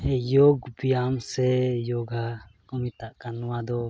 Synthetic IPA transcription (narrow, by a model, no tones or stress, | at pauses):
ɛjɔɡbijamsɛjɔɡakɔmit̪aʔkanuwad̪ɔ